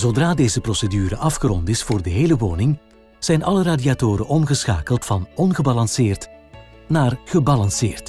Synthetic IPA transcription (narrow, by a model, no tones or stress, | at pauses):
z̥odraːdeːzəprosədyːɾəʔɑfxəɾɔntɪsfoːrdəɦeːləʋoːnɪŋ | z̥ɛjnɑləraːdiatoːɾəʔɔmɣəsxa̰ːkəlˠtfɑnɔnɣəbɑlɑnsɪːrt | naːrɣ̥əbɑlɑnsɪːrt